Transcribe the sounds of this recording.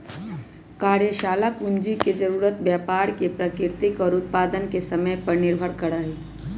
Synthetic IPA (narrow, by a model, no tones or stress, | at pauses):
kaːɾjəʃaːlapʊnd͡ʒiked͡ʒəɾuːɾət̪bjaːpaːɾkepɾəkɪɾt̪ɪkɔːɾʊt̪̚paːd̪ənkesəməjpəɾnɪɾbʱəɾkəɽaɦi